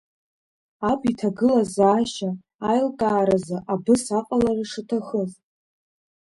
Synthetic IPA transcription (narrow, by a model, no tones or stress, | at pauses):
apʰʼitʰaɡɨlazaːʃaː | jlkʼaːɾazaʔabɨsaqʼalariʂɨtʰaχəz